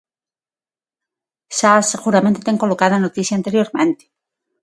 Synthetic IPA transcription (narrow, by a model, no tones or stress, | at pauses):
saseɣuɾament̪et̪e̞ŋko̞lokaðanot̪iθjaːnt̪eɾjo̞ɾmẽnt̪e̥